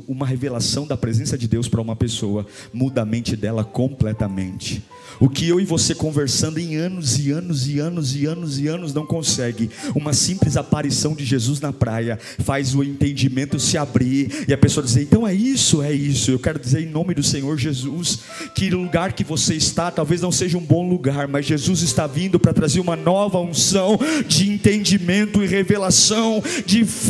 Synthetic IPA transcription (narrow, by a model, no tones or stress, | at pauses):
ũmɐɦevelasɐ̃w̃d̪ɐpɾezẽsɐd͡ʒɪd̪ewspɾɐũmɐpesowɐ | mud̪ɐmẽnt͡ʃɪd̪ɛlɐkõmplɛt̪ɐmḛ̃nt͡ʃɪ̥ | ʊkɪewɪvosekõveɾsɐ̃nd̪ʊẽj̃ɐ̃nʊzɪɐ̃nʊzɪɐ̃nʊzɪɐ̃nʊzɪɐ̃nʊznɐ̃w̃kõsɛɡɪũmɐsĩmplɪzapaɾisɐ̃w̃d͡ʒɪʒezuznɐpɾajɐ | fajzʊẽnt̪ẽnd͡ʒimẽnt̪ʊsɪabɾiɾɪɐpesoɐd͡ʒizeɾẽt̪ɐ̃w̃ɛisʊɛisʊewkɛɾʊd͡ʒizeɾẽj̃nõmɪd̪ʊsẽɲoɾʒezus | kɪluɡaɾkɪvoseɪst̪at̪awveznɐ̃w̃seʒɐũbõw̃luɡaɾmɐzʒezuzɪst̪avĩnd̪ʊpɾɐt̪ɾazeɾũmɐnɔvɐũsɐ̃w̃d͡ʒɪẽnt̪ẽnd͡ʒimẽnt̪ʊɪʁevelasɐ̃w̃d͡ʒɪ